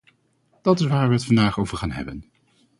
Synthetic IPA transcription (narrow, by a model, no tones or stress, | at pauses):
d̥ɑtɪsʋaːɹʋəətfɑndaːχowvəɹχaːnɦɛ̰bən